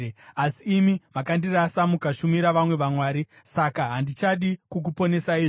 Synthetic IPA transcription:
asiːmimakandirasamukaʃumiɾaʋamwe̞ʋamwaːɾi | sakaɦandit͡ʃaɗikuk̬upo̞ne̞saiːʐ

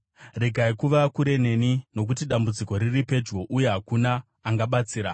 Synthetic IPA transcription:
re̞ɡʱaikuʋakuɾe̞ne̞nino̞k̬utiɗambud͡ziko̞ɾiripe̞d͡ʒɡo̞ʔuje̞ɦakunaː | ŋɡaɓat͡siːɾa

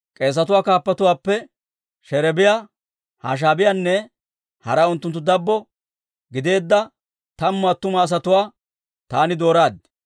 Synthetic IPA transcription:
kʼe̞ːs̬ːɐt̪ʊwaːkaːpːɐt̪ʊwaːpːɛ | ʃɛɾɛbɪja | ha̰ːʃ̬aːbɪjanːɛ | hɐ̰ɾɐʊnt̪ːʊnt̪ːʊd̪ɐbːɔ | ɡɪd̪e̞ːd̪ːɐ | t̪ɐmːʊaːt̪ʊmaːs̬ɐt̪ʊwaː | t̪aːnɪd̪o̞ːɾaːd̪

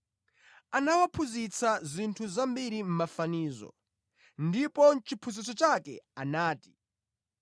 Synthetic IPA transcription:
anawapʰuzit͡sʰazintʰuzambiɾim̩mafaniːzɔ̰ | ndipɔt͡ʃipʰuzit͡sɔt͡ʃakɛ̰anaːti̥

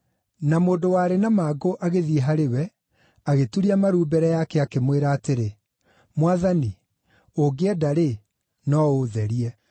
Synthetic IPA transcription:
namoːdowaɾenamaːɡoʔaɣeðiɦaɾewɛ | aɣetuɾiamaɾuːbɛɾɛjakɛakemweɾaːteɾe | mwaðani | oɡeɛdaɾe | nɔoðɛɾiɛ

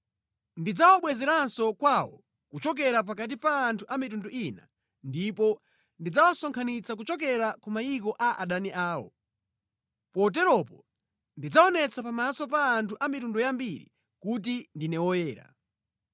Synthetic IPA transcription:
ndid͡zawɔɓwɛzɛɾansɔkwawɔ̰ | kut͡ʃɔk̬ɛɾap̬akat̬ipaːntʰuʔamitundɔʔina̰ | ndipɔ | ndid͡zawasɔŋkʰanit͡sak̬ut͡ʃɔk̬ɛɾakumaikɔʔaʔa̰ɗaniʔaːwɔ̰ | pɔt̬ɛɾɔpɔ | ndid͡zaɔnɛt͡sʰapamasɔpaːntʰuʔamitundɔjambiɾḭ | kut̬indinɛwɔjɛːɾa̰

